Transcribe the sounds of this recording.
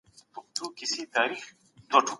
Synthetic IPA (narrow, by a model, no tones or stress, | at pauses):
t̪uk̚t̪uːkisit̪aːɾiːx | t̪oʈʰ